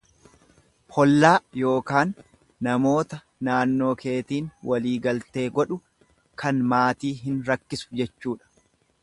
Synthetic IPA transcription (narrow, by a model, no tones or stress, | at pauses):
hɔlːaːjo̞ːkaːnː | ɐmo̞ːt̪ɐ | naːnːo̞ːke̞ːt̪iːnwɐliːɡɐlt̪e̞ːɡɔᶑʊ | kʰɐnmaːt̪iːɦɪnɾɐkːɪsʊ̥d͡ʒɛt͡ʃːuːᶑɐ̥